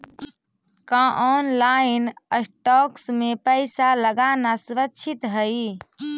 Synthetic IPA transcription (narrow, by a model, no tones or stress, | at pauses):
kãʔɔːnlainəsʈɔːksmẽpəɪsaləɡaːnasuɾəkt͡ʃʰit̪ɦəi